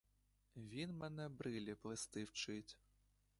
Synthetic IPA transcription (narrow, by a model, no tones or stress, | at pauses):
vʲinmɛnɛbɾɨlʲiplˠɨst̪ɨwt͡ʂɨt͡sʲ